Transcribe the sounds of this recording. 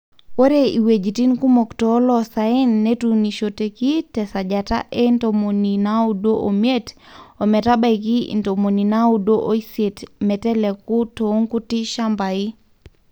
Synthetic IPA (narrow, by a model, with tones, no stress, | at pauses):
wo˦ɾe˦i˨we˨d͡ʒi˨ti˦nku˦mo˨ktɔ˨˦lɔ˦sa˨ɛ˦nːe˦tu˨ni˨ʃo˨te˨ki˦tɛ˨sa˨d͡ʒata̰˦ʔe˦nto˨mo˨ni˨na˦u˦do˦ʔo˨me˦to˨mɛ˨ta˦ba˦ikḭ˦nto˨mo˨ni˨na˦u˦do˦ʔo˦i˦se˨tmɛ˨tɛ˦lɛ˨ku˦to˨˦ŋku˦ti˦ʃa˦mba˨i˦